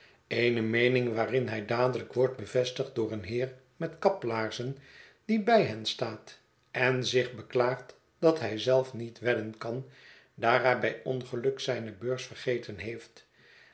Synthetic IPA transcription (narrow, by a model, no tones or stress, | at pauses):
ejnəmejnɪŋʋaːrɪnɦɛjdaːdələkʋɔɹd̚bəvɛstəχt̚dʊːɹənɦɪːr | mɛtkɑplaːɹzən | d̥ibɛjɦɛnstaːt | ɛnzɪχbəklaːχt | d̥ɑtɦɛjzɛlˠfnitʋɛdənkɑn | daːrɛjbɛjɔnχəlɵksɛjnəbøːɹsfərχejtənɦejft